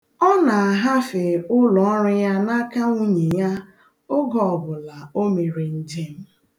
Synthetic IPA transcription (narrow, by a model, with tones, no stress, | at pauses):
ɔ˦na˨a˨ɦa˦fe˨ʊ˦lɔ˨ɔ˦ɾɪ˦ja˦na˦ka˦ŋu˦ɲe˨ja˦ | ʊ˦ɡɔ˨bʊ˨la˨o˦me˨ɾi˨n̩˦˨d͡ʒe˦m̩˦